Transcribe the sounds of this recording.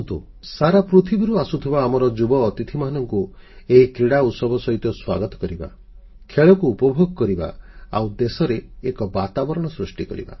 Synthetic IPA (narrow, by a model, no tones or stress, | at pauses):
t̪ṵ | saɾapɾut̪ʰibiɾuasut̪ʰibaːmɔɾɔd͡ʒubɔːt̪it̪ʰimanɔŋku | eɦikɾiɽaut̪sɔbɔsɔɦit̪ɔswa̰ɡɔt̪ɔ̥kɔɾiba̰ | kʰeɭɔkuːpɔbʱoɡɔkɔɾiba̰a̰wd̪esɔɾeekɔbat̪abɔɾɔɽ̃ɔsɾusʈikɔɾḭba̰